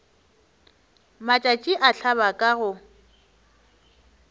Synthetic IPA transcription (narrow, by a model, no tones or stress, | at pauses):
mat͡ʃʼat͡ʃʼiʔaɬʰaβakʼaɣʊ